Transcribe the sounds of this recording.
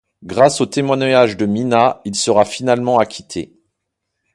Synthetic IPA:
ɡʁasot̪emwanaʒd̪əminailsəʁafinalmɑ̃akʲʰi̥t̪ʰe

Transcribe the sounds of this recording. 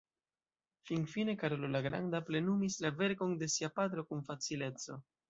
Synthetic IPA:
fiŋfine̞kaɾo̞lolaɡɾa̰ndaple̞numislave̞ɾko̞nde̞siapat̪ɾo̞kunfat͡sile̞t͡so̞

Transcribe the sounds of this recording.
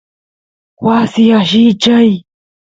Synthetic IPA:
wasɪaʃɪt͡ʃaj

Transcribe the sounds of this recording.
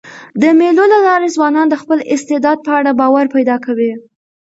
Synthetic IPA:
d̪əmelolalɑɾezwɑnɑnd̪əxpəlɪst̪ɪd̪ɑd̪̚pəaɽabɑwaɾpajd̪ɑkawi

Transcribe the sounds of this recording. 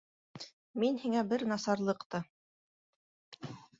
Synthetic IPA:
minhiŋæbɘɾnɑsɑɾlˠɤ̆qt̪ɤ

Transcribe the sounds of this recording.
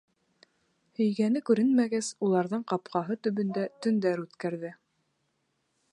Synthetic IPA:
hɵ̆jɡænɘkʉɾɘnmæɡæzulˠɑɾðɤɴqɑpqɑɦɤt̪ɵ̆βɵ̆nd̪æt̪ɵ̆nd̪æɾʉt̪kæɾðɘ

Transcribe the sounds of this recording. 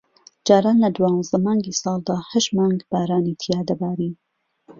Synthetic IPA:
d͡ʒaːɾaːnlɐd̪uwaːnzd̪ɐmɑːŋɡisɑːlˠd̪aːhɐʃmɑːŋɡbaːɾaːnit̪ʰijaːd̪ɐbaːɾiː

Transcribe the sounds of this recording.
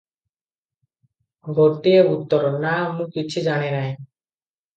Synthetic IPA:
ɡʱoʈːieut̪ːɔɾɔnamũkit͡ɕʰud͡ʒañenaj

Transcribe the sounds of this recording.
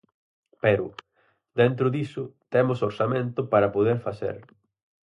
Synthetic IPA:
peɾʊ̰ | d̪ent̪ɾʊðisʊt̪emʊsoɾsamẽnt̪ʊpaɾɐpoð̞eɾfaθḛɾ

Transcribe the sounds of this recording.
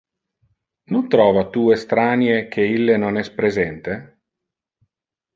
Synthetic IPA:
nont̪ɾɔːvat̪uest̪ɾaːnjek̟ʰeilːenonɛspɾezɛnt̪e

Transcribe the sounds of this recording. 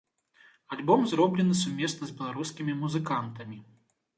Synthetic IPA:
alʲbɔmzɾɔblʲɛnɨsumʲɛsnɐzʲbʲɛlˠaɾuskʲimʲimuzɨkant̪ɐmʲi

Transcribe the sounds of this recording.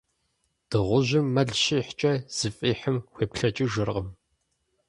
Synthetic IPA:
d̥ɨʁʷʊʑɪmːɐɮʃiħt͡ʃʼɐz̥ɨfʼiːħəmxʷeːpɬɐt͡ʃʼɪʒɨrqəm

